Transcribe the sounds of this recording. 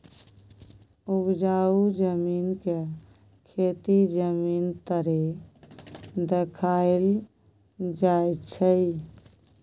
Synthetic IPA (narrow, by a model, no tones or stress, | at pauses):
ubd͡ʒaud͡ʒəminke | kʰet̪id͡ʒəmint̪əɾe | d̪ekʰael | d͡ʒajt͡ʃʰə